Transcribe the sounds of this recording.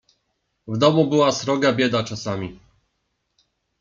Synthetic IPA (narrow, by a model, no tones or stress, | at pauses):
vd̪ɔmubɘwasɾɔɡabʲjɛd̪at͡ʂasamʲi